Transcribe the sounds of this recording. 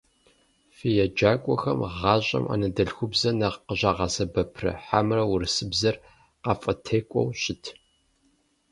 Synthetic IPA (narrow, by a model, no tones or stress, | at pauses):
fijɛd͡ʒaːkʷʼɔxɐ̰mʁɑːɕʼɐ̰mʔa̰ːnɐdɐɬxʷʊbzɐnɐʁqəʑaːʁɑsɐbɐpʰrɐ̰ħamrɐwʊrɨsɨbzɐr | qɑːfʼɐtʰeːkʷʼɔ̰wɕʼɪtʰ